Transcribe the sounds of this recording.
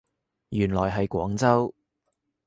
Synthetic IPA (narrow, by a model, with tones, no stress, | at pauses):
jyː˨˩nlɔː˨˩jɦɐ˨jkʷɔː˨˥ŋt͡sɐ˥w